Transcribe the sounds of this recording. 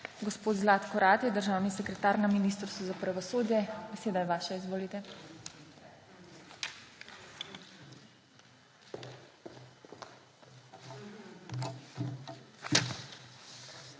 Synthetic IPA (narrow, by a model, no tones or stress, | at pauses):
ɡɔspoːt̪zlaːt̪kɔɾaːt̪jɛd̪əɾʒaːwnisɛkɾɛt̪aːɾnaminiːst̪ɾst̪ʋɔzapɾaʋɔsoːd̪jɛbɛseːd̪ajɛʋaːʃaizʋoːlit̪ɛ